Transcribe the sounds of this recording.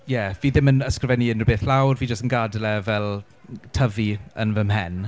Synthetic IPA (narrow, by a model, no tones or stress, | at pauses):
jɛviːðɪmənəskrəvɛniənrəbeːθlawrviːd͡ʒəstənɡadlɛvɛlˠ | tʰəviə̰nvəmɦɛn